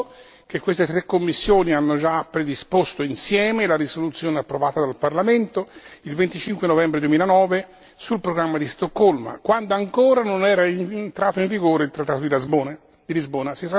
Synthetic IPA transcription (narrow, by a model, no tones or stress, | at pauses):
k̟ekːwest̪et̪ɾekːomːisːjoːnianːod͡ʒapːɾed̪ispost̪oinsjɛːmelaɾisolut̪sːjoːneapːɾovaːt̪ad̪alparlament̪oilvent̪it͡ʃiŋkwenovɛmbɾed̪uemilanɔːve | sulpɾoɡɾamːad̪ist̪okːolma̰kwand̪oaŋkoːɾanonɛːɾainnt̪ɾaːt̪oĩɱviɡoːɾeilt̪ɾat̪ːaːt̪od̪ilazboːn | d̪ilizboːnasit̪a